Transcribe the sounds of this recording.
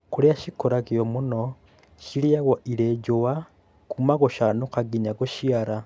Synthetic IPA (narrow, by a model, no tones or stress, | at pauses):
kuɾiaʃikoɾakijomuno | ʃiɾiaɣoʔiɾed͡ʒowa | kumaɣoʃanokaɡiɲaɣoʃiaɾa